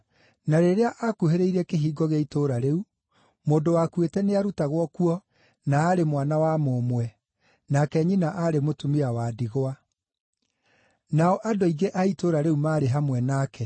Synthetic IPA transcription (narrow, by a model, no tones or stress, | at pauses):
naɾeɾeaʔakuheɾeiɾɛkeɦiːɡɔɣeitoɾaɾeu | moːndowakwetɛneaɾutaɣwɔkuɔ | naːɾemwanawamomwɛ | nakɛɲinaʔaɾemotumeawaːdiɣoa | naɔʔadoiɡeʔaitoɾaɾeumaːɾeɦamwɛnakɛ